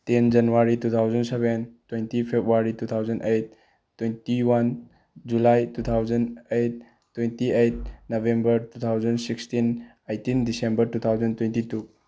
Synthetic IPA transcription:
tend͡ʒɐnuwaɾitut̪ʰawd͡ʒɐnseβentwentipʰepʰwaɾitut̪ʰawd͡ʒɐnʔejt̚ː | wentiwan | d͡ʒulajtut̪ʰawd͡ʒɐnejt̚ː | wentiejt̚nobʱembɐɾtut̪ʰawd͡ʒɐnsikstin | ejtindisembɐɾtut̪ʰawzɐntwẽntitu

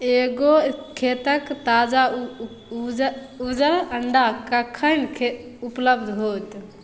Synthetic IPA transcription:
eɡokʰet̪əkt̪ad͡ʒa | ud͡ʒəɾəɳɖakəkʰənkʰeupləbd̪ʱɦot̪

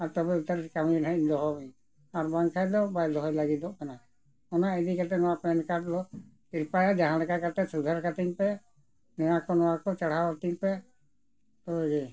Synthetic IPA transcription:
aɾt̪ɔbɛut̪aɾkaminaɲd̪ɔɦɔmɛ | aɾbaŋkʰajd̪ɔbajd̪ɔɦɔjlaɡid̪ɔʔkana | ɔnaɛd̪ikat̪ɛnɔwapɛnkaʈd̪ɔ | iɾpajad͡ʒaɦãlɛkakat̪ɛsud̪ʱaɾkat̪iŋpɛ | nɛjakɔnɔwakɔt͡ʃaɽ̤aat̪iŋpɛ | t̪ɔbɛɡɛ

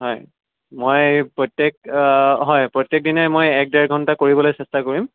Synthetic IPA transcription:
ɦɔj | mojpɹɔtjek̚ɦɔjpɹɔtjek̚dinɔjmojɛk̚dɛɹɡʱɔntakoɹibɔlojsɛstakoɹim

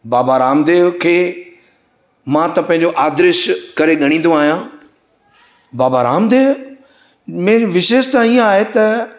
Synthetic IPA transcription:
baːbaɾaːmd̪eːʋkʰeː | mãt̪ɐpɐ̃ɦɪ̃ɲd͡ʑoʔaːd̪ɾɪʃkɐɾeɠɐɽ̃ĩːn̆d̪õaːɦijãː | baːbaɾaːmd̪eːʋ | mẽːʋɪʃeːʃt̪ãːĩaːɦet̪ɐ

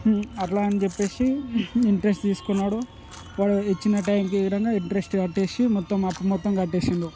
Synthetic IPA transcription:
ɐʈlaːɐnit͡ʃepːe̞ːsiiɳʈɾesʈt̪iːsu̥kunːaːɽu | ʋaːɭuit͡ʃːinɐʈɐjmkiːʋid̪ɐŋɡaːiɳʈɾesʈkɐʈːe̞ːsimɔt̪ːɐmɐpːɐmɔt̪ːɐmkɐʈːeːsind̪i

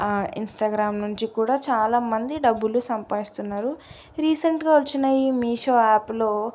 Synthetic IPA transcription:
ḭnsʈaːɡɾaːmnuɲt͡ʃikuːɽaːt͡ʃaːlaːmɐnd̪iɖɐbːulusɐmpaːjist̪unːaːɾu | ɾiːsɐɳʈɡaːʋot͡ʃːinɐiːmiːʂoːaːplo̞ː

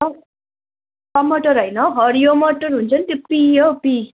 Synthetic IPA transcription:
ʌ | kʌmːʌʈʌɾɦʌjnʌɦʌɾjomʌʈʌrɦunt͡sʰʌnit̪jopijʌpi

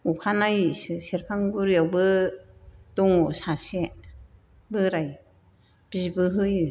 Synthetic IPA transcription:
ukʰanajɯsɯseɾpʰaŋbuɾijawbɯ | d̥ɔŋɔsase | bɯɾaj | b̥izbɯɦɯjɯ

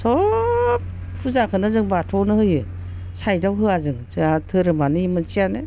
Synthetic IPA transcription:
sɔp | pʰuzakʰɯnɯzɯŋbatʰɔnɯhɯjɯ | sajdawɦɯazɯŋ | ɯatʰɯɾɯmanɯimɯnsijanɯ

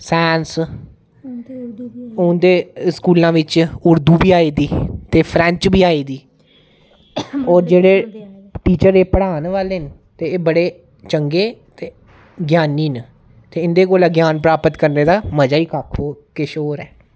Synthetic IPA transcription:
sɛːns | ʊnd̪eːskuːlãːʋɪt͡ʃʊɾd̪uːbiːaːiːd̪iːt̪eːpʰɾɛ̃ɲt͡ʃbiːaːiːd̪iː | ɔːɾd͡ʒeːɽeː | ʈiːt͡ʃəɾeːpəɽaːnʋaːleːn | t̪eːbəɽeː | t͡ʃəŋɡeːt̪eː | ɡjaːniːn | t̪eːɪnd̪eːkoːlɛːɡjaːnpɾaːpət̪kəɾneːd̪aːməd͡ʒaːiːkaːkʰoːkɪʃoːɾɛː

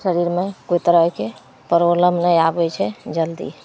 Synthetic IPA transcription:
səɾiɾmekoit̪əɾəɦke | pəɾoləmnəjabɛt͡ʃʰɛd͡ʒəld̪ḭ

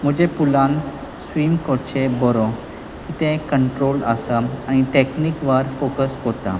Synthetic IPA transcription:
m̤əd͡ʑepulãn | sʋiːmkɔɾt͡ɕebɔɾɔ | kit̪ɛ̃kəɳʈɾoləsaaɽ̃iʈeknikʋəɾfokəskot̪a

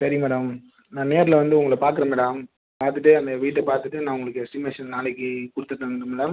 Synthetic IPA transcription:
sɐɾɪjmɛːɽɐm | nãːneːɾlɐʋɐnd̪ɯʊŋɡɐɭpaːɾkɯɾɐmɛːɽɐm | paːɾt̪ɯʈːɯɐnd̪ɐʋiːʈːɐpaːɾt̪ɯʈːɯnãːʊŋɡɐɭɯkːɯsɪmesɐnnaːlɪkːɯkʊɽɯt̪ːɯʈːɐmːɾɐmɛːɽɐm

